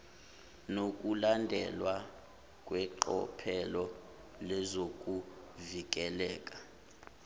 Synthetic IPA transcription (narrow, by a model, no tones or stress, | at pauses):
nokʼulandʱɛlwa | kʼwɛǃɔ̰pʰɛlɔ | lɛzokʼu | vik̬ʼɛlɛːkʼḁ